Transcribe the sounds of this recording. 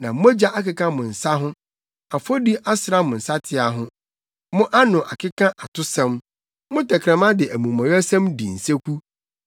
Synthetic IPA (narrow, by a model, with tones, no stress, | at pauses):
nã˨m̩˦o˦d͡ʑa˦ʔa˦kɪ˦kʰã˦mʊ̃˨n̩˨sa˦ɦʊ̃˦ | a˨fo˦di˦ʔa˦sɾa˦mʊ̃˨n̩˨sa˦tʰɪ˨a˨ɦʊ̃˦ | mʊ̃˦ʔa˦nʊ̃˨ʔa˨kʰɪ˦kʰã˦ʔa˨tʰʊ˦sɛ̃˦m | mʊ̃˦tɛ˨kʰɾɛ̃˨mã˦dɪ˨ʔæ˨mũ˨mɔ̃˨jɔ˦sɛ̃˦mdi˨n̩˨se˦kʷu˦